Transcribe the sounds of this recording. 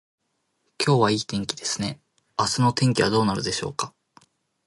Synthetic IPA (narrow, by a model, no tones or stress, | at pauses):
kʲʰo̞ːβaiːt̪ẽ̞ŋkʲid̪e̞sɨ̥ne̞ | asɨno̞t̪ẽ̞ŋkʲiβad̪o̞ːnaɾɯ̟d̪e̞ɕo̞̰ːka